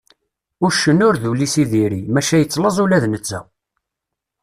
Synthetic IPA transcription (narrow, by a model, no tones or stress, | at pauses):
ʊɾʃənːʊɾðulisiðiɾimæʃæjət͡sːləzˤulæðnət͡sːæ̰